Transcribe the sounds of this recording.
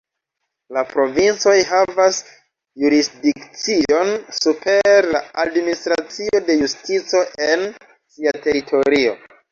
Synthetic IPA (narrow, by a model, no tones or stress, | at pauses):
lapɾo̞vint͡so̞jɦavas | juɾisdikt͡sio̞nsupe̞ɾlaadministɾat͡sio̞de̞justit͡so̞ʔen | siate̞ɾitʰo̞ɾio̞̰